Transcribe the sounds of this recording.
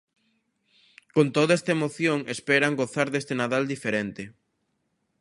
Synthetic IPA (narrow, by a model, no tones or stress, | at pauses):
kont̪oðoest̪aemoθjoŋespɛɾaŋɡoθaɾðest̪enaðald̪ifeɾent̪ɪ